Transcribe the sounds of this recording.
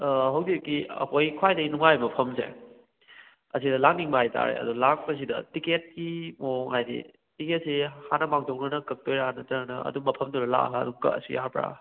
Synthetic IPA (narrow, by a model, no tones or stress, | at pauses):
ɦɐwdikːiɐ̰kojkʰwajdɐɡinuŋajmɐpʰɐmsḛ | ɐs̬idɐlaŋniŋbɐhajtʰa̰ɾḛɐ̰dulak̚pɐs̬idɐ̰tiket̚kimoŋhajdḭ | tiket̚sihanɐbaŋtʰoknɐnɐkɐk̚tojɾaanɐtɐɾɐnɐɐ̰dumɐpʰɐmtuɾɐla̰ɦɐ̰dumkɐ̰ɐ̰sujaɾpɾa̰